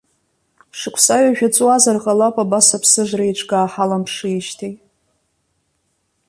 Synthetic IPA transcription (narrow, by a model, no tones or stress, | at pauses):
ʂɨkʷʰsaɥaʒᶣat͡sʼwazarqʼalapʼabasapʰsɨʐʷrajʈ͡ʂʰʼɡaːħalampʰʂɨiʃtʰejtʼ